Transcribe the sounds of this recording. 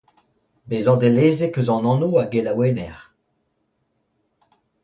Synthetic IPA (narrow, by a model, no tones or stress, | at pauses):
bezɑ̃d̪eleːzekøzɑ̃nɑ̃noaɡelaweːnɛʁ